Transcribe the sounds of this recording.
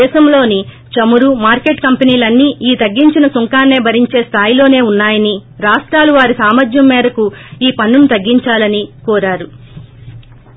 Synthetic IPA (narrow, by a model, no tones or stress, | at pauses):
ɛːʃɐmlo̞ːni | t͡ʃɐmuɾumaːɾke̞ʈkɐmpɐniːlɐnːiːʔiːt̪ɐɡːiɲt͡ʃinɐsuŋkaːnːe̞ːbʱɐɾiɲt͡ʃe̞ːst̪ʰaːjlo̞ːne̞ːunːaːjɐniɾaːʂʈɾaːluʋaːɾisaːmɐd͡ʒ̪jɐmːɛːɾɐkuiːpɐnːunut̪ɐɡːiɲt͡ʃaːlɐnikɔːɾaːɾu